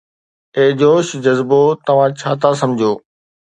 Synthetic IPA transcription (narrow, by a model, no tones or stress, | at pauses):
eːd͡ʑoːʃd͡ʑɐzbot̪ɐʋ̤ãt͡ɕʰaːt̪ʰas̬ɐ̃md͡ʑʱoː